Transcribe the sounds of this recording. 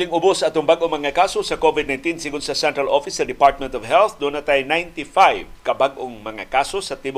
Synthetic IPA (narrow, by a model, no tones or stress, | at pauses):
lɪŋʊbʊsːɐat̪ʊŋbaɡʔoŋmɐŋakasosɐkovɪd̪najnt̪insɪɡʊnsɐsɛnt̪ɾalofɪsdɐd̪ɪpaɹt̪̚mɛ̃nt̪ɔvɦɛlθd̪unat̪ajnajnt̪ifajvkɐbaɡ̚ʔoŋmɐŋa̰kasosɐt̪ib